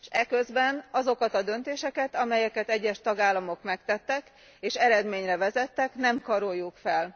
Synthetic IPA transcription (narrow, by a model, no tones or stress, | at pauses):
ʃɛkø̞zbɛnɒzo̞kɒt̪ɒd̪ø̞nt̪eːʃɛkɛt̪ɒmɛjɛkɛt̪ɛɟːɛʃt̪ɒɡaːlːɒmo̞kmɛkt̪ɛt̪ːɛk | eːʃɛɾɛd̪meːɲrɛvɛzɛt̪ːɛknɛmkɒɾojːukfɛl